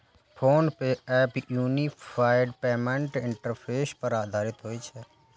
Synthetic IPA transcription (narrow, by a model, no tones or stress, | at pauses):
pʰoːnpeɛːpjuːniaːɪɖpeːmeɳʈɪɳʈəɾpʰeːspəɾaːd̪ʱaːɾɪt̪ɦoːiːt͡ʃʰɛ